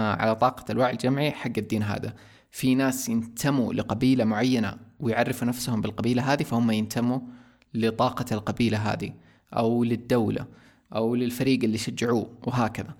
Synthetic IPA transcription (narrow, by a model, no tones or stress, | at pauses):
ʕa̰lat̪ˤɑːqɑalwaːʕɪld͡ʒamʕiħaɡːad̪ːiːnɦa̰ːd̪a̰ | finaːsjɪnt̪ʰamulɪqɑbiːlamʊʕajːana̰wɪjʕarːɪfunafsʊhʊmbɪlqɑbiːlaɦaːd̪ifahʊmːajɪnt̪ʰamːu | lɪt̪ˤɑːqɑlqɑbiːlaɦa̰ːd̪i | ʔawlɪd̪ːawla̰ | ʔawlɪlfaɾiːɡɪlːiʃad͡ʒːaʕuːwɪɦaːkaða